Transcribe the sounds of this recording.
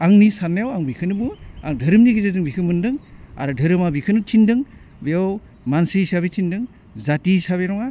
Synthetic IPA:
aŋnisanajawaŋbikʰɯnɯbɯa̰ŋdʱɯɾɯmniɡizazɯŋbikʰɯmɯndɯŋa̰ɾɯdʱɯɾɯmabikʰɯnɯt͡ʃʰindɯŋ | bejaw | mansisaβetʰindɯŋ | zatisaβenɔŋa

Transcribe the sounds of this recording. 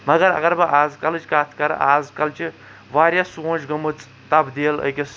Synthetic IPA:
mɐɡɐɾɐ̰ɡɐɾbɐʔaːzkɐlt͡ʃkaːt̪ʰkɐɾ̰ʔaːzkɐlt͡ʃʰi | ʋaːɾʲjasoːnt͡ʃɡɐmɨt͡s | t̪ɐbd̪eːlə̰kʲes

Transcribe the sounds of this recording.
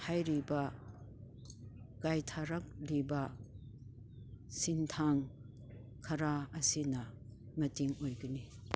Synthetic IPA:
hajɾibɐ | kajtʰaɾak̚libɐ | sintʰaŋ | kʰɐɾaːsinɐ | mɐtiŋojɡɐni

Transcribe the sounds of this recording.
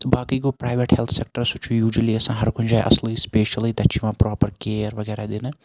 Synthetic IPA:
t̪ɐbaːkiːɡoːpɾaːjʋeʈhelt̪ʰsek̚ʈəɾsut͡ʃʰujuːd͡ʒliːɐsãːɦɐɾkʰʊnd͡ʒaːjʔɐ̰sliːspeːʃɐliːd̪ɐt͡ʃʰiʋãːpɾɔːpəɾkeːɾʋɐɡɛːɾad̪inɨ

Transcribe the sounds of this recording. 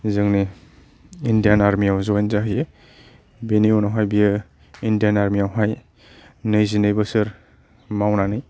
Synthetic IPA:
zɯŋni | indijanaɾmijawzɔajnzaɦɯje | beniɔnawɦajbijɯ | indijanaɾmijawɦaj | nɯjzinɯjbɯsɯɾ | mawnanɯj

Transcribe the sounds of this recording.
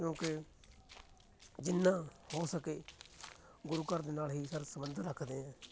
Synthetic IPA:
kjõːkɪ | d͡ʒɪnːãːhoːsəkeː | ɡʊɾuːkəɾd̪eːnaːlɦiːsəɾsəmənd̪əɾːəkʰd̪eːɦɛ̃ː

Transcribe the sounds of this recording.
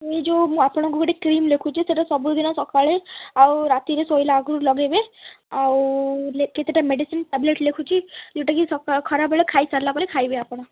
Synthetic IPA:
ed͡ʒomũapɽ̃ɔ̃k̬ukeʈekɾiːmlekʰut͡ʃʰiseʈasɔbud̪inasɔkaɭeawɾat̪iɾesoilaːɡʱɾulɔɡebe | awleket̪eʈameɖisinʈɛbleʈlekʰũt͡ʃʰid͡ʒeʈakisɔkakʰɔɾabəɭekʰaisaɾlapaɭekʰajbeapɽ̃a

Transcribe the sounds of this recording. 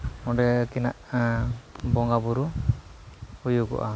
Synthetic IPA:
ɔɖɛkinaʔ | bɔŋɡabuɾu | hujukɔ̰ʔa

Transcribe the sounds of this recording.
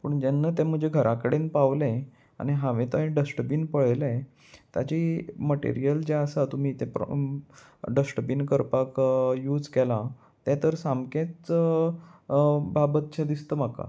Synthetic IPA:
pəɳd͡ʑenːət̪ɛ̃m̤əd͡ʑʱeɡʱəɾʔakəɽenpaʋlẽ | a̰ñiɦaʋẽt̪ə̃ɖəsʈəpinpəɭlẽ | t̪ja̰t͡ɕiməʈḛɾijəld͡ʑeəsat̪um̤iːt̪ɛpɾ̰ | ɖəsʈəpinkəɾpakjuːd͡zkɛla | t̪ɛ̃t̪əɾsamket͡s | babət̪̚t͡ɕʰẽd̪ist̪əmaka̰

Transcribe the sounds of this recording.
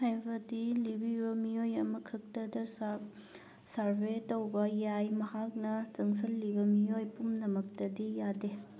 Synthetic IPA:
hajbɐdilibibɐmijojɐmɐkʰɐk̚tɐdɐ | saɾbetowbɐjajmɐhak̚nɐt͡ʃɐŋs̬ɐlːibɐmijojpumnɐmɐk̚tɐdijade

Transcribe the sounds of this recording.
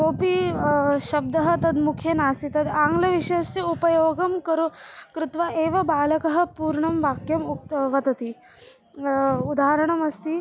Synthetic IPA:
koːpiɕɐb̚d̪ɐɦɐt̪ɐd̪mukʰjenaːsit̪ɐd̪aːŋɡlɐʋiɕeseupɐjoːɡɐmkɐɾokɾut̪ʋaʔeːʋɐbaːlɐkɐɦɐ̆puːɾɳɐmʋaːkjɐmuʋɐt̪ɐt̪i | ud̪aːɦɐɾɐɳ̃ɐmɐst̪i

